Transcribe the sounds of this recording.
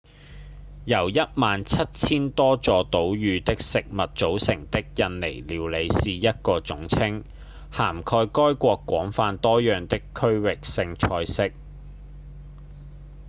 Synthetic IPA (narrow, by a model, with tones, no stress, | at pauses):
jɐ˨˩wjɐ˥t̚maː˨˧nt͡sʰɐ˥t̚t͡sʰiː˥nt̪ɔː˥t͡sɔː˧t̪o˨˥wjyː˨˧t̪ɪ˥k̚sɪ˨k̚mɐ˨t̚t͡so˨˥wsɪ˨˩ŋt̪ɪ˥k̚jɐ˧nle˨˩jliː˨˩wle˨˧jsiː˨jɐ˥t̚kɔː˧t͡sʊ˨˥ŋt͡sʰɪ˥ŋ | haː˨˩mkʰɔː˧jkɔː˥jkʷɔː˧kːʷɔ̰ː˨˥ŋfaː˧nt̪ɔː˥jœː˨ŋt̪ɪ˥kʰːɵ˥ɥwɪ˨k̚sɪ˧ŋt͡ʃʰɔː˧jsɪ˥k̚